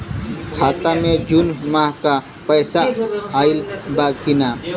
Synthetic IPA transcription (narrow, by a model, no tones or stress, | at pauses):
kʰaːt̪ãːmẽd͡ʒunmaːɦka | pəːsaaːɪlbaːkɪnaː